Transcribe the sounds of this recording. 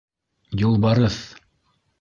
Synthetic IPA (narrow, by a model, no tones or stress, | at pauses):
jŏlˠbɑɾɤθ